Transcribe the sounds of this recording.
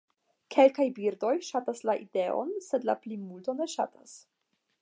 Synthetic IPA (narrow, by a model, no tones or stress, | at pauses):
kʰe̞lkajbiɾdo̞jʃataslaʔide̞o̰nse̞dla̰plimulto̞ne̞ʃa̰tas